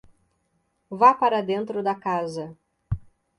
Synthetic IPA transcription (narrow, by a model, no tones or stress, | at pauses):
vapaɾɐd̪ẽnt̪ɾʊd̪ɐkazɐ